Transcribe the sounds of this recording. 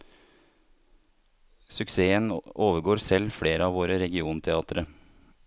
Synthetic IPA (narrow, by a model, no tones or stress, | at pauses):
sʉkseːənoːʋəɡoːɾsɛlfɽeːɾəɑːʋoːɾəɾɛɡɪuːnt̪ʰɛɑːt̪əɾə